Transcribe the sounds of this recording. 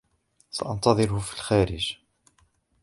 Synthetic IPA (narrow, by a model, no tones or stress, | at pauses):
sɑʔɑnt̪ˤɑðˤɨɾʊhʊfi̥lxæːɾɪd͡ʒ